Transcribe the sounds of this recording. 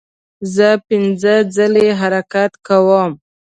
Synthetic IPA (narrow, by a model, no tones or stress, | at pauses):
zəpɪnd͡zəd͡zəleɦaɾakat̪kawəm